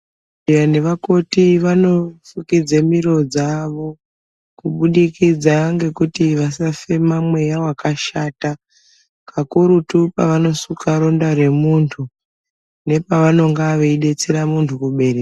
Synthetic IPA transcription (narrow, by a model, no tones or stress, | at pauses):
jane̞ʋako̞tiʋano̞fukid͡zemiro̞d͡zaʋo̞ | kuɓuɗikid͡zaŋɡe̞kutiʋasafe̞mamwe̞jawakaʃaːta | kʰakuɾutupaʋano̞sukaɾo̞ndaɾe̞muntʰu | ne̞paʋano̞ŋɡaʋeiɗe̞t͡seɾamuntʰukuɓe̞ɾea